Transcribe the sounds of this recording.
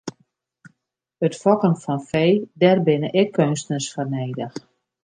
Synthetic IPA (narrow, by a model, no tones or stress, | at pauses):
ətfɔkənfɔnfeːdɛrbɪnəʔɪkʰːønstnəsfɔrneːdəx